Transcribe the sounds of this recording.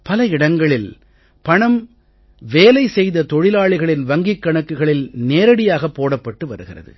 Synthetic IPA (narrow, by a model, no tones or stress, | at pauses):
pɐlɐɪɽɐŋɡɐɭɪl | pɐɳɐm | ʋeːlɐɪsɛjðɐt̪ɔɻɪlaːɭɪɣɐɭɪnʋɐŋɡɪkːɐɳɐkːɯɣɐɭɪlneːɾɐɽɪjaːɣɐpːoːɽɐpːɐʈːɯʋɐɾɯɣɪrɐ̰ðɯ̰